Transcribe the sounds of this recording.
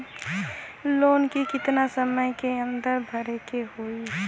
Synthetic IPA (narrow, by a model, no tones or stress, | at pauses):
lonkikɪt̪nasəməjkeənd̪əɾbʱəɾekehoi